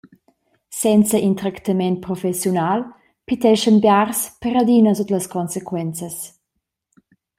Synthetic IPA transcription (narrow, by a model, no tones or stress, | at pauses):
sɛnt͡səʔint̪ɾakt̪amɛntpɾɔfɛsjunal | pit̪ɛʃənbjarspəɾad̪inəzot̪ləskɔnsekwɛnt͡səs